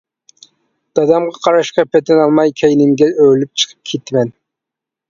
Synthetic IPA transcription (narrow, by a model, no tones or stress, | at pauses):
d̪̥ɑd̪ɑmʁɑqʰɑɾɑʃqɑpʰɛt̪ʰɛnɑlˠmɑjkʲʰɛjnɪŋɡʲɛølyp̚t͡ʃʰə̥qʰə̥p̚kʲʰet̪mɛn